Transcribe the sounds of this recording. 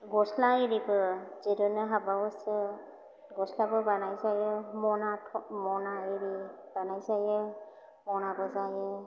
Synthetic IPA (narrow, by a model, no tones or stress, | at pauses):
ɡɔslaiɾibɯzidɔnɯɦabaɔsɯ | ɡɔslabɯbanajzajɛmɔnatʰɔmɔnaiɾi | banajzajɛ | mɔnabɔzajɛ